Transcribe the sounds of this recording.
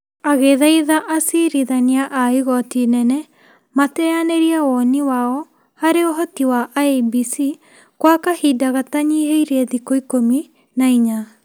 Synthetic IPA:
aɣeðaiðaʔasiɾiðaniaʔaiɣɔtinɛnɛ | matɛaneɾiawɔniwaɔ | haɾeoɦɔtiwaʔaebisi | kwakahidaɣataɲiɦeiɾeeðikoikomi | naiɲa

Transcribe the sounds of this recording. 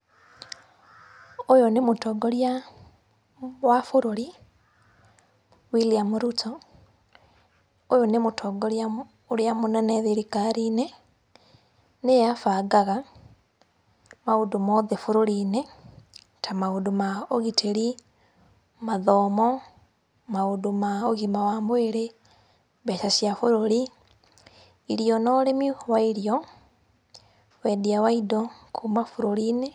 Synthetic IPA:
ojonemutoɡoɾja | wafuɾoɾi | wiliamuɾuto | ojonemutʰoɡoɾja | oɾjamonɛneðiɾikaɾine | nejafaɡaɣa | maudumoðefuɾoɾiːne | tamaudumaoɣitʰeɾi | maðɔːmɔ | maudumaoɣimawamweɾe | βɛsasjafuɾoɾi | ɾijɔnɔlemiwaiɾijɔ | wediawaidokʰumafuɾoɾine

